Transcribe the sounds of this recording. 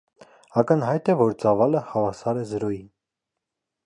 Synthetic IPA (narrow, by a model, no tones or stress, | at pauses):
ɑkənɦɑjt̪ɛvɔɾt͡sɑvɑləhɑvɑsɑɾɛzəɾɔjin